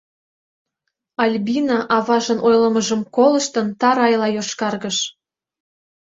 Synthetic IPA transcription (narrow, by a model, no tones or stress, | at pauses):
ɑlʲbinɑʔɑβɑʒə̆nʔojləməʒə̆mkolə̆ʃt̪ənt̪ɑɾɑjlɑjoʃkɑrɣəʃ